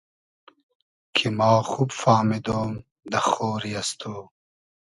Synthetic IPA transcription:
kʰimɑːxubfɑːmid̪oːm | d̪ɐxoːɾijɐst̪ʰoː

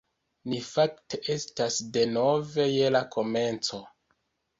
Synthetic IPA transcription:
nifakte̞ʔe̞stasde̞no̞ve̞je̞lako̞me̞nt͡so̞

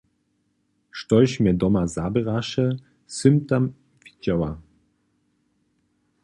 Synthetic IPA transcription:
ʃtɔɕmʲɛd̪ɔmazabɛʁaʃɛ | sɨmt̪am | v̥ʲid͡ʑawa

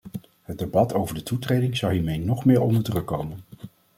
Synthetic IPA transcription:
ɦədebɑtʰowvəɹdətutrejdɪŋzɑwɦiːɹmejnɔχmɪːɹɔ̰ndəɹdrɵkːowmən

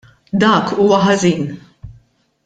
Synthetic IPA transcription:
d̪ɐːkuːwɐħɐziːn

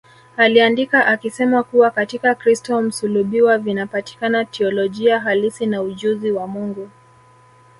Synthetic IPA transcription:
aliandikaʔakisɛmakuwakatikakɾistɔm̩suluɓiwavinapati̥kanatʰɛɔlɔʄiaɦalisinauʄuziwamuŋɡu

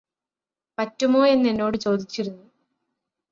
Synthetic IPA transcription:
pɐtːumo̞ːe̞nːe̞nːo̞ːɽɨt͡ɕo̞ːd̪it͡ɕːiɾunːu

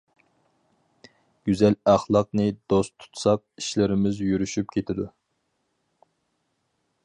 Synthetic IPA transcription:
ɡ̥ʲyzɛlæχlˠɑq̚nɨd̪̥ost̪ʰu̥t̪ʰu̥sɑq̚iʃlɪɾɪmɪzjyɾyʃypkʲʰet̪ʰɪd̪u

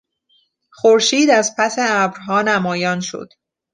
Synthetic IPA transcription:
xoɾʃiːd̪æzpʰæseæbɾɦɒːnæmɒːjɒːnʃo̰d̪̥

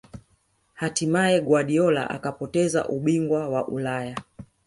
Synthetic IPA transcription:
hatimaɛɡwaɗiɔla̰ʔa̰kapɔtɛza̰ʔuɓiŋɡwawaʔulaja

